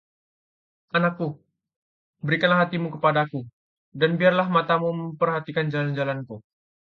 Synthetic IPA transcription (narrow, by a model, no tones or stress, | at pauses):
ʔanakːu | bəɾikanlaɦat̪imukəpadaku | danbiarlahmat̪amuməmpərɦat̪ikand͡ʒaland͡ʒalanku